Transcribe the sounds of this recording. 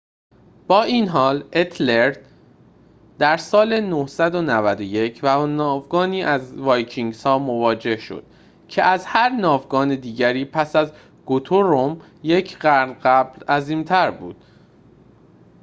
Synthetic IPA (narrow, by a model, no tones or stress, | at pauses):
b̥ɒːʔiːnɦɒːlet̪ʰleɾd̪ | d̪æɾsɒːlenohsæd̪o̞nævæd̪oje̞cʰvænɒːvɡɒːniːʔæzvɒːjcʰiŋɡsɒːmovɒːd͡ʒe̞hʃo̞̰d̪̥ | cʰe̞ʔæzhæɾnɒːvɡɒːned̪iːɟæɾiːpʰæsæz | ɡ̥ot̪ʰoɾom | je̞cʰɢæɾd̪ɢæblæziːmt̪ʰæɾbṵːd̪̥̚